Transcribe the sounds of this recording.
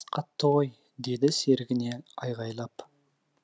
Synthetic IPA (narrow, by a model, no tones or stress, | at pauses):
qʰɑt̪ːəʁoj | d̪e̞d̪ɪse̞ɾɡʲɪne̞ɑjʁɑjlˠɑp